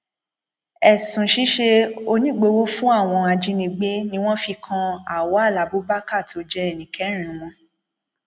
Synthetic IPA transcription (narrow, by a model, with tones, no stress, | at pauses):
ɛ˨sũ˨ʃi˦ʃe˧o˧nĩ˦ɡ͡be˧wo˦fũ˦a˦˨w̃ɔ̃˧a˧d͡ʒĩ˧nĩ˧˦ɡ͡be˦nĩ˧w̃ɔ̃˦fi˧kʰã˧a˦˨wɔ˨˦a˦˨la˨bo˦ba˦ka˦˨to˨˦d͡ʒɛ˧ɛ˨nĩ˨kɛ˨˦ɾ̃ĩ˨mɔ̃˧